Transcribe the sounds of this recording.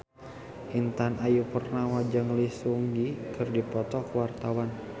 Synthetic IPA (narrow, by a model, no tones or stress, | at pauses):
ʔint̪anajupərnahwad͡ʒaŋlisuŋdikɨrdipɔt̪ɔkəwart̪awan